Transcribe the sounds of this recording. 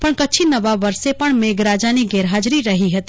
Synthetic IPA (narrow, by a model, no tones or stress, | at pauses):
pəɳkətːt͡ʃʰinəʋaʋəɾsepəɳmeɡɾad͡ʒaniɡɛɾɦad͡ʒɾiɾəɦiɦət̪i